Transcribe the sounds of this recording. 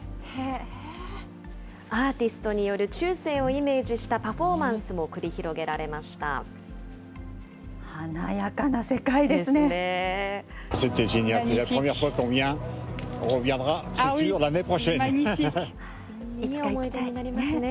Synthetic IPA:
he | aːt̪ʲisɨ̥t̪o̞ɲ̟ijo̞ɾɯ̟t͡ɕɨːse̞ːo̞ime̞ːd͡ʑiɕi̥t̪apaɸo̞mãɰ̃sɨmo̞kɯ̟ɾʲiçiɾo̞ɡe̞ɾaɾe̞maɕi̥t̪a̰ | hanajakanase̞kaid̪eesɨnee | set̪ɛʒeɲjalsɛlapχəmjɛʁfwakɔ̃vjɛ̃ɔ̃ʁəvjɛ̃d̪ʁat̪isyʁlanepχɔʃɛn | i̥okaimoit̪anaɾʲimasɨne

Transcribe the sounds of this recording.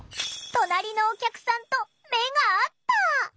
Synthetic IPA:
t̪o̞naɾʲino̞ːkʲakɯ̟̥sãnt̪o̞ | me̞ɡaːt̪ːa

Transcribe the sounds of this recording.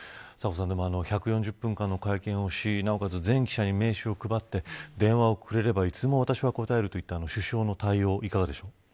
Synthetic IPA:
sako̞s̬ãnd̪e̞mo̞ano̞çakɯ̟jõɲ̟d͡ʑɨpːɯ̃ŋkãnːo̞kaikẽ̞ɰ̃o̞ɕinao̞kazɨzẽ̞ŋkʲi̥ɕaɲ̟ime̞ːɕɨokɯ̟bat̪ːe̞d̪ẽ̞ɰ̃βao̞kʰɯ̟ɾe̞ɾe̞bait͡sɨmo̞β̞at̪aɕiβako̞t̪ae̞ɾɯ̟t̪o̞it̪ːaːno̞ɕɨɕo̞ːno̞t̪aio̞ːʔikaɡad̪e̞ɕo̞ː

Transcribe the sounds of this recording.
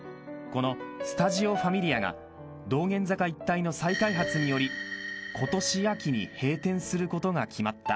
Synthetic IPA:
ko̞no̞sɨ̥t̪aʑio̞ɸamʲiɾʲiaɡa̰ | d̪o̞ːɡẽ̞nd͡zakait̪ːaino̞saikaiɦat͡sɨɲ̟ijo̞ɾʲikʰo̞t̪o̞ɕiakʲiɲ̟ḭhe̞ːt̪ẽ̞ɰ̃sɨɾɯ̟ko̞t̪o̞ɡakʲimat̪ːa̰

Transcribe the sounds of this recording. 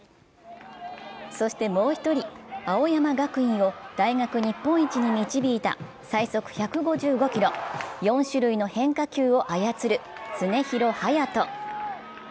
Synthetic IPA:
so̞ɕi̥t̪e̞mo̞ːçi̥t̪o̞ɾʲiao̞jamaɡakɯ̟ĩɰ̃o̞d̪̥aiŋakɯ̟ɲ̟ipːõ̞ɰ̃it͡ɕiɲ̟imʲit͡ɕibʲiːt̪a̰ | saiso̞kɯ̟̥çakɯ̟ɡo̞ʑɨːɡo̞kʲiɾo̞jõ̞ɰ̃ɕɨɾɯino̞hẽ̞ŋkakʲɨːo̞ʔajat͡sɨɾɯ̟ | t͡sɨne̞çiɾo̞hajat̪o̞

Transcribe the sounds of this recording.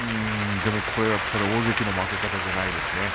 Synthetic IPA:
ɯ̃ | d̪e̞mo̞kʰo̞ɾe̞βakʰo̞ɾe̞oːzekʲino̞makekat̪aʑanaid̪e̞sɨne̞

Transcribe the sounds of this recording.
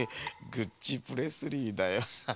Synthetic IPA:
ɡɯ̟t͡ɕipɯɾe̞sɨɾʲiːd̪ajo

